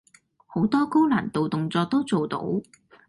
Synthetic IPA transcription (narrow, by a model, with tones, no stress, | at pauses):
ho˨˥wt̪ɔː˥ko˥wlaː˨˩nt̪o˨wt̪ʊ˨ŋt͡sɔː˧k̚t̪o˥wt͡so˨wt̪o̰˨˥w